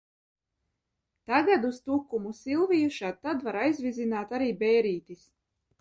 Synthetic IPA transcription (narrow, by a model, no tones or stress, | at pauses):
t̪aɡad̪ust̪ukːumusilˠvijuʃad̪̚t̪ːad̪vaɾajzvizinaːt̪aɾiːbɛjɾiːt̪is